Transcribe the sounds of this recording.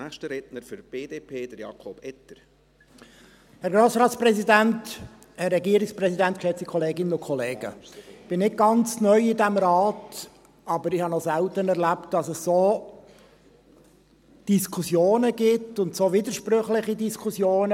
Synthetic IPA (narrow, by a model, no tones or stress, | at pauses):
æʃtəɾɛtnəɾfyɾb̥eːdeːpʰeːd̥əɾjɑ̰kʰɔb̥ɛtəɾ | hɛɾɡɾoːsɾɑːtsprɛsidænt | hɛɾːɛɡiːəɾɪksprɛsidænt̚kʃɛt͡sikʰɔleːɡɪnənʊkʰɔleːɡ̥ə̰ɪb̥ɪnɪt̚ɡ̥ɑnt͡snœʏɪdæmɾɑːt | ɑbəɾɪhɑnɔsæltənɛɾlæpt̚d̥ɑsəsːoː | d̥iskʰusjoːnəɡɪtʊntsoːʋiːdəɾʃprøχlɪχidiskʰusjoːnə